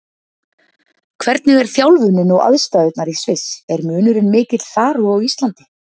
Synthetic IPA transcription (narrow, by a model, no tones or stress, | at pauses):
kʰvɛɾt̪nɪɣɛɾ̥θjawlvʏnːɪnɔwʔa̰ðst̪aːðʏt̪naɾisvɪsɛɾmʏːnʏɾʏnmɪːcɪt̪l̥θaːɾuɔɣist̪lant̪ɪ̥